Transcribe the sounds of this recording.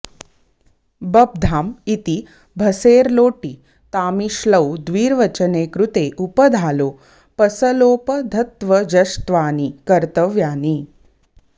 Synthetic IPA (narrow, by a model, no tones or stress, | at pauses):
bɐb̚d̪ʱaːmit̪i | bʱɐseːɾloːʈi | t̪aːmiʃləwd̪ʋiːɾʋɐt͡ʃɐneːkɾut̪eʔupəd̪ʱaːloː | pɐsɐloːpɐd̪ʱɐt̪ʋɐd͡ʒɐst̪ʋaːnikɐɾt̪ɐʋjaːni